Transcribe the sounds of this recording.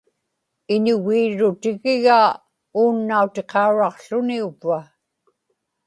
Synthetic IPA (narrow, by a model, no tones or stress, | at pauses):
ɪɲʊɣiːɻʊt̪ɪɣɪɣaː | uːnːaut̪e̞qʰɑuɻɑqɬʊniuva